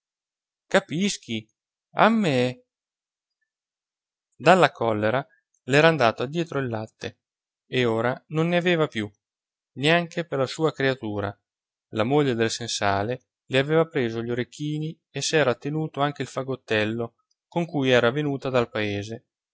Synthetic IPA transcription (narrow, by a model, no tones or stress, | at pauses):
kapisk̟i | a̰mːe | d̪alːakʰɔlːeɾa | lɛːɾaːnd̪aːt̪oad̪ːjɛːt̪ɾoilːat̪ːe | eoːɾanonːeaveːvapju | neaŋkeperlasuːakɾeat̪uːɾa̰ | lamoʎːed̪elsensaːle | leaveːvapɾeːzoʎːoɾekːiːni | esːɛːɾat̪ːenuːt̪oaŋk̟eilfaɡot̪ːɛlːo | koŋkujɛːɾavenuːt̪ad̪alpaeːze